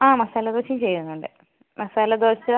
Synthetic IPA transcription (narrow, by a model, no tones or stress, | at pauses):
aːmɐsaːlɐd̪oːɕɐmt͡ɕejːunːuɳɖɨ | mɐsaːlɐd̪oːɕɐ